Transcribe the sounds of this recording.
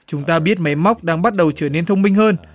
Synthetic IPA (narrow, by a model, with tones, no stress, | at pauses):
t͡ɕʊ˨˦ŋ͡mt̪aː˧ɓi˦˥ət̚ma˨˦jma˦˥wk͡p̚ɗaː˧ŋɓa˦˥t̚ɗə˨˩wt͡ɕəː˧˩ne˧nt̪ʰə˧wŋ͡mmï˧ŋ̟həː˧n